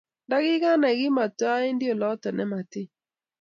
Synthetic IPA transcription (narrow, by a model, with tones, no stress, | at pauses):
nda˦ɡɪ˦ɡa˦na˨ɡɪ˦ma˨twa˦ɪ˦ndɪ˦o˨lɔ˦tɔ˨nɛ˨ma˨tɪ˦